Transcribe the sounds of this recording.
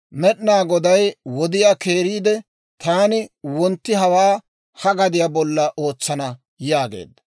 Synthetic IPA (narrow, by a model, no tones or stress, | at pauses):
mɛɗnaːɡɔd̪ɐjwɔd̪ɪjaːke̞ːɾiːd̪ɛ | t̪aːnɪwɔnt̪ːɪɦɐwaː | hɐɡɐd̪ɪjabɔlːɐʔoːt͡sːɐnɐ | jaːɡḛːd̪ːɐ